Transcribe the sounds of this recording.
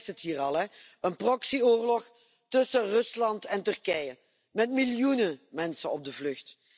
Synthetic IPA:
sətɦiːrɑlˠɦɛ | ənprɔksioːrlɔx | tɵsərɵslɑntɛntɵrkɛjə | mɛtmɪljunəmɛnsənɔb̚dəvlɵxt

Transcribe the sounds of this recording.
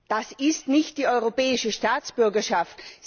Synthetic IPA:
d̥asɪstnɪçt̚d̥iːɔʏʁopɛːɪʃəʃtaːt͡sb̥ʏɐɡɐʃaft

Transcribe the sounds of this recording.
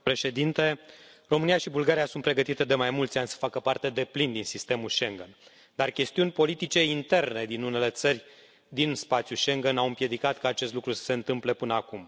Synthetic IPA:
pɾe̞ʃe̞d̪int̪e̞ | ro̞mɨnijaʃibulɡaɾijasunt̪̚pɾe̞ɡət̪it̪e̞d̪e̞majmult̪sʲanʲsə̥fakəpart̪e̞d̪e̞plind̪insist̪e̞mulʃe̞ŋɡen | d̪arkʲe̞st̪iunʲpo̞lit̪it͡ʃe̞int̪e̞rne̞d̪inune̞le̞t̪sərʲ | d̪inspat̪sjuʃe̞ŋɡenawɨmpje̞d̪ikat̪kaːt͡ʃe̞st̪lukɾusə̥se̞ɨnt̪ɨmple̞pɨnəakum

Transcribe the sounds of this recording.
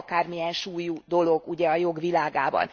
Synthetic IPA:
kaːrmijɛnʃuːjud̪o̞lo̞ɡuɟɛɒjo̞ɡʋilaːɡa̰ːbɒ̰n

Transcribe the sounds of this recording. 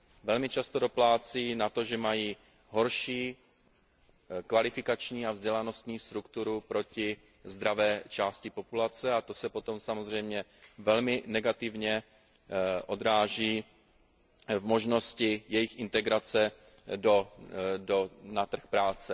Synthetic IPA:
vɛlmɪt͡ʃast̪odo̞plaːt͡siːnat̪o̞ʒɛmajiː | ɦo̞ɾʃiː | kvalɪfɪkat͡ʃɲiːavzɟɛlano̞st̪ɲiːst̪ɾukt̪uɾupɾo̞cɪ | zd̪ɾavɛːt͡ʃaːscɪpo̞pulat͡sɛat̪o̞sɛpo̞t̪o̞msamozr̝ɛjmɲɛvɛlmɪnɛɡat̪ɪvɲɛ | ʔo̞d̪ɾaːʒiː | vmo̞ʒno̞scɪjɛjɪxɪnt̪ɛɡɾat͡sɛ | dodonat̪r̩xpɾaːt͡sɛ

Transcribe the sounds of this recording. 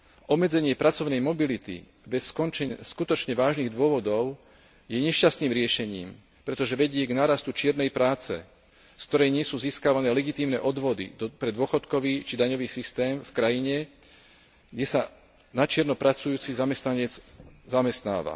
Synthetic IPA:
ɔbmɛd͡zɛɲɪɛpɾat͡sɔʊnɛjmɔbilit̪ḭ | bɛskɔnt͡ʃɛskut̪ɔt͡ʃɲɛʋaːʒniːɣd̪ʊɔʋɔd̪ɔʊ | jɛɲɛʃcast̪niːmɾɪɛʃɛɲiːm | pɾɛt̪ɔʒɛʋɛɟɪɛɡnaːɾast̪ut͡ʃɪɛɾnɛjpɾaːt͡sɛ̰ | sk̚t̪ɔɾɛjɲɪɛsuːziːskaʋanɛːlɛɡit̪iːmnɛ̰ʔɔd̪ʋɔd̪ḭpɾɛd̪ʊɔxɔt̪kɔʋiːt͡ʃid̪aɲɔʋiːsist̪ɛːmfkɾajiɲɛ | ɡɟɛsa | nat͡ʃɪɛɾnɔpɾat͡sujuːt͡sizamɛst̪naɲɛd͡zzamɛst̪na̰ːʋa̰

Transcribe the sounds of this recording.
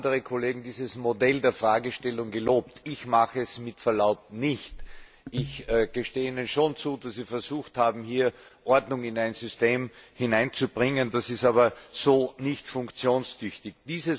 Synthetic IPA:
dəʁəkʰoleːɡŋ̩diːzəsmodɛldeːɐfʁaːɡəʃtɛlʊŋɡəloːptʰɪçmaxəɛsmɪtfɛɐlaʊp̚tnɪçt | ʔɪçɡ̥əʃteːiːnənʃoːnt͡suːdasz̥iːfɛɐzuːxthaːbm̩hiːɐ | ʔɔɐdnʊŋɪnæɪnz̥ʏsteːmhɪnãɪnt͡subʁɪŋənd̥asɪstaːβɐz̥oːnɪçtfʊŋkt͡sjoːnstʰʏçtɪç̚d̥iːzə

